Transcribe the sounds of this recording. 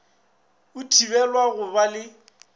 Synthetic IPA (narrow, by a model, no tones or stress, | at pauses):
ʊtʰibɛlwaɣʊbalɪ